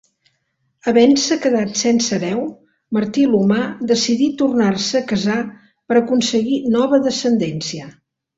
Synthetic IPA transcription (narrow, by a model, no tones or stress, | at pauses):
əβɛnsəkəðat̪sɛnsəɾɛw | məɾt̪ilumad̪əsiðit̪urnarsəːkəza | pəɾəkunsəɣinɔβ̞əðəsənd̪ɛnsiə